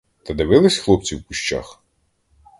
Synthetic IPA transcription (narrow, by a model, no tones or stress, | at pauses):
t̪ɐd̪ɪʋɪlˠɪsʲxlˠɔp̚t͡sʲiwkʊʃt͡ʃa̰x